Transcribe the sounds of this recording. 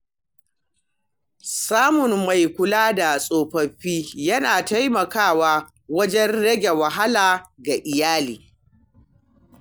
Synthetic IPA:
saː˦mʊ˨nma˨jkʷʊ˦laː˦da˨sʼoː˨ɸɐ˨ɸiː˦jɐ˦naː˨ta˦jmɐ˨kaː˦˨waː˦ | wɐ˦d͡ʒɛ˦nɽɐ˦ɡʲe˨wɐ˨ɦa˦laː˨ɡa˨ʔɪ˨jaː˦lḭː˨

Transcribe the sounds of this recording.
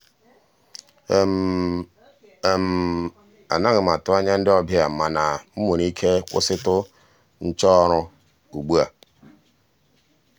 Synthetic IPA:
m̩˨ | a̰˨na˦ɣɪ˨m˨a˨tʊ˦a˦ɲa˦n̩˦dɪ˦ɔ˦bja˨ma˨na˨m̩˦mo˨ni˦kʰe˦kʷʊ̰˦sɪ˦tʊ˦ | n̩˦t͡ʃɔ˦ɾʊ˦ | u˨ɡ͡bu˦a˨

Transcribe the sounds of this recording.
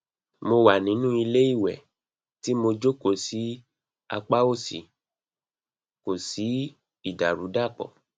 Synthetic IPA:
mo˧wa˨nĩ˨˦nũ˦i˧le˦i˦˨wɛ˨ | ti˨˦mo˧d͡ʒo˦ko˦˨si˨˦ | a̰˧k͡pa˦o˦˨sḭ˨ | ko˨si˨˦ | i˦˨da˨ɾu˨˦da˦˨k͡pɔ̰˨

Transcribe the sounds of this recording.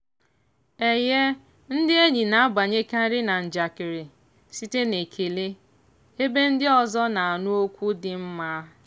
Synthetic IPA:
e˨je˦ | n̩˦dɪ˦e˦ɲi˨na˨a˦ba˨ɲe˦ka˦ɾɪ˦na˨n̩˨d͡ʒa˨kɪ˨ɾɪ˨ | si˦te˦ne˨kʰe˨le˦ | e˦be˦n̩˦dɪ˦ɔ˨zɔ˦na˨a˨nu˦o˦kʷu˦dɪ˨m̩˦ma˦

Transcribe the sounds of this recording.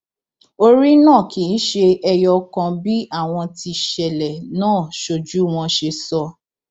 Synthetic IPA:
o˧ɾi˦nãː˦˨kʰĩ˨˦ʃe˧ɛ˧jɔ˧kã˧bi˦ʔa˦˨w̃ɔ̃˧ti˧ʃɛ˨lɛ˨nãː˦˨ʃo˨d͡ʒu˨˦w̃ɔ̃˧ʃe˧sɔ˧

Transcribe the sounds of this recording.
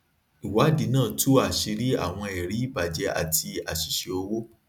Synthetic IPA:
i˨wa˨˦˨di˨˦nãː˦˨tu˦a˨ʃi˧ɾi˦a̰˦˨w̃ɔ̃˧ɛ˨ɾi˨˦i˦˨ba˨d͡ʒɛ˧˦a̰˨tʰi˧a̰˨ʃi̥˨ʃe˧o˧wo˦

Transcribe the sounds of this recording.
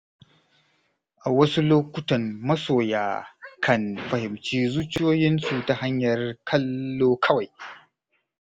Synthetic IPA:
ʔa˨wɐ˦su˦loː˦kʷʊ˦tɐ˨mmɐ˦soː˨jaː˨kʰɐ˨nɸɐ˨hɪ˨mt͡ʃiː˦zuː˦t͡ʃɪ˦joː˦jɪ˦nsu˨ta˨ha˦ɲjɐ˨rkʰɐ˦lːoː˦kʰɐ˦wa˨j

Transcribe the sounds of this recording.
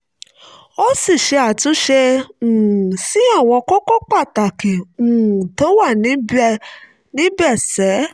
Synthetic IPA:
o˦si˦˨ʃe˧a˨tũ˧˦ʃe˧ũ˨si˨˦a˦˨w̃ɔ̃˧kɔ˦kɔ˦k͡pa˦˨ta˨kĩ˨ũ˨to˨˦wa˦˨nĩ˨˦b | nĩ˨˦bɛ˦˨sɛ˨˦

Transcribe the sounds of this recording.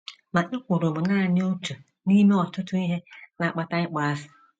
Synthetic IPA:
ma˨ʔɪ˦kʷʊ˨ɾo˨bʊ˨naː˦˨nɪ˦o˦tu˨ | ni˦me˦ɔ˨tʊ˦tʊ˦i˦ɦe˦na˨k͡pa˦ta˦ɲɪ˦k͡pa˨a˦sɪ̥˨

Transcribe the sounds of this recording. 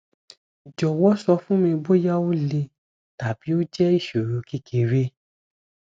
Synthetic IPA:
d͡ʒɔ˨wɔ˦sɔ˧fũ˦mĩ˧bo˦ja˦o˦le˧ | ta˨b̥i˨˦o˦d͡ʒɛ˦i˦˨ʃo˨ɾo˨˦ki˦kʰe˨ɾe˦

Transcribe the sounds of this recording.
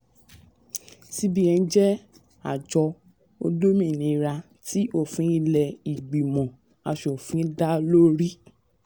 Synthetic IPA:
si˦bi˦ɛ̃˧˦d͡ʒɛ˦ | a̰˨d͡ʒɔ˧ | o̰˧do˦mĩ˦˨nĩ˧ɾa˧ | tʰi˦o˦˨fũ˨˦i˦lɛ˧i˨ɡ͡bi˨mɔ̃˨ | a˧ʃo˨fũ˨˦da˦lo˦ɾi˦

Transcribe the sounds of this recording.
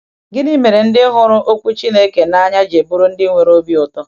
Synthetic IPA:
ɡɪ˦ni˦me˨ɾe˨n̩˦dɪ˦ɦʊ˦ɾʊ˦ʔo˦kʷu˦t͡ʃi˦ne˦ke˨na˦ɲa˦d͡ʒe˨bʊ˦ɾʊ˦n̩˦dɪ˦ŋʷe˨ɾo˦bi˦ʊ˨tɔ˦

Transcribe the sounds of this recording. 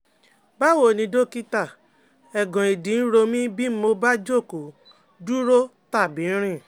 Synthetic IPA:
ba˦wo˦˨nĩ˧do˦˨ki˦ta˦˨ | ɛ˨ɡɔ̃˨e˨dĩ˨˦n̩˦ɾo˧mĩ˦bi˦mo˧ba˦d͡ʒo˦˨ko˨ | du˦ɾo˦ta˦˨bi˨˦ɾ̃ĩ˦˨

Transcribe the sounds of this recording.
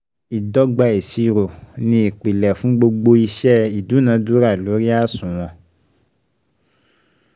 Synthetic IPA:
i˨dɔ˦ɡ͡ba˧e˨si˧˨ɾo˨nĩ˧i˨k͡pi˨lɛ˨fũ˨˦ɡ͡bo˧ɡ͡bo˧i˧ʃɛ˦i˨du˨˦nã˨˦du˨˦ɾa˦˨lo˨˦ɾi˦a˦˨sũ˨w̃ɔ̃˧

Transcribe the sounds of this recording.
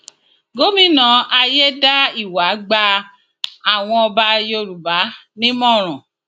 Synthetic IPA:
ɡo˦mĩ˨˦nã˧a˧je˦da˦i˦˨wa˨˦ɡ͡ba˧ | a˦˨w̃ɔ̃˧ɔ˧ba˧˦jo˧ɾu˨ba˨˦nĩ˦mɔ̃˦˨ɾ̃ɔ̃˨

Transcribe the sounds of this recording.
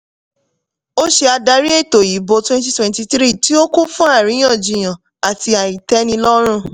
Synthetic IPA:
o˦ʃe˧a˧da˧ɾi˦e˦˨to˨ji˨˦bo˧twɛ̃˦nti˦twɛ̃˧˦nti˧tɾi˦˨ti˦o˦ku˦fũ˦a˦˨ɾĩ˨˦j̃ã˦˨d͡ʒĩ˨j̃ã˨ | a˨ti˧a˨i˨tɛ˨˦nĩ˧lɔ˦ɾ̃ũ˦˨

